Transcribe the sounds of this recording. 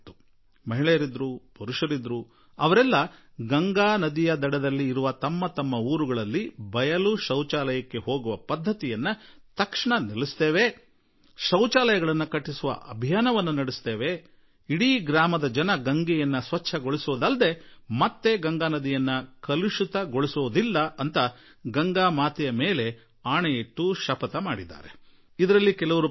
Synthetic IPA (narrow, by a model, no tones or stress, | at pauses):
t̪ːu | mɐɦiɭɛjɐɾid̪ɾupuɾuʂɐɾid̪ɾu | ɐʋɐɾɛlːɐ | ɡɐŋɡaːnɐd̪ijɐd̪ɐɽɛd̪ɐlːiːɾuʋɐt̪ɐmːɐt̪ɐmːɐuːɾuɡɐɭɐlːibɐjɐluʃɐwt͡ʃaːlɐjɐkːe̞ɦo̞ːɡuʋɐpɐd̪ʱːɐt̪ijɐnːɐt̪ɐkʂɳɐnilist̪eːʋe | ʃɐwt͡ʃaːlɐjɐɡɐɭɐnːɐkɐʈːisuʋɐ̰ʔɐbʱijaːnɐʋɐnːunɐɽist̪e̞ːʋe̞ | iɽiːɡɾaːmɐd̪ɐd͡ʒɐnɐɡɐŋɡɛjɐnːɐsʋɐt͡ʃʰːɐɡoɭisuʋɐd̪ɐld̪e̞mɐt̪ːe̞ɡɐŋɡaːnɐd̪ijɐnːɐkɐluʂut̪ɐɡoɭisuʋud̪ilːɐɐnt̪ɐ | ɡɐŋɡaːmaːt̪ijɐmeːle̞ | aːɳeiʈːuʃɐpɐt̪ɐmaːɽid̪a̰ːɾe̞ | id̪ɐɾɐlːikɛlɐʋɐɾu